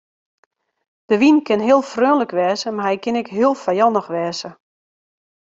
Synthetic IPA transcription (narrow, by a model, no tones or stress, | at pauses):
d̥əʋinkɪnɦɪəlˠfrøːnləkʋɛːzəmaɦɛjkɪnɪkɦiəlˠfajɔnəxʋɛːzə